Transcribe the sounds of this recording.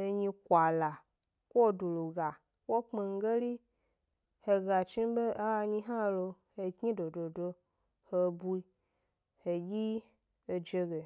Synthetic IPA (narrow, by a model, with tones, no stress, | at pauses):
e˧ɲĩ˧kʷa˨la˨ | ko˦o˦˨do˨lo˨ɡa˨ | wo˦k͡pe˧ŋ̩˦ɡe˦li˦ | he˧ɡa˨t͡ʃĩ˦be˦a˦a˧ɲĩ˦ɦã˦lo˧ | he˨kɲĩ˦do˨do˨do˧ | he˧bu˦i˦ | he˨ji˦ | e˨d͡ʒe˧ɡe˨